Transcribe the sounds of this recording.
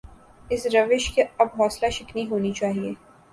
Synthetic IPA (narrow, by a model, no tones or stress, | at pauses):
ɪsɾɐʋɪʃkeɐbɦɔːslaʃɪkniɦoːnit͡ʃaːɦieː